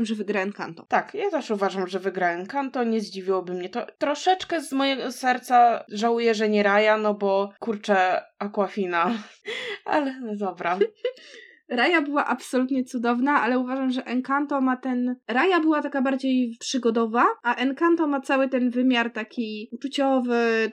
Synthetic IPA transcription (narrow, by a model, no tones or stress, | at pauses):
mʐɛvɘɡɾaɛnka̰nt̪ɔt̪akjat̪ɛʂuvaʐamʐɛvɘɡɾaɛnkant̪ɔɲɛzd͡ʑivʲiwɔbɘmɲɛt̪ɔt̪ɾɔʂɛt͡ʂkɛzmɔjɛɡɔsɛɾt̪saʐawujɛʐɛɲɛɾajanɔbɔkuɾt͡ʂɛakwafʲina | ʔa̰lɛd̪ɔbɾa | ɾajabɘwaʔapsɔlut̪ɲɛt̪sud̪ɔvnaʔalɛuvaʐamʐɛʔɛŋkant̪ɔmat̪ɛnɾajabɘwat̪akabaɾd͡ʑejpʂɘɡɔd̪ɔvaaʔɛnkant̪ɔmat̪sawɘt̪ɛnvɘmʲjaɾt̪akʲʰiut͡ʂut͡ɕɔvɘ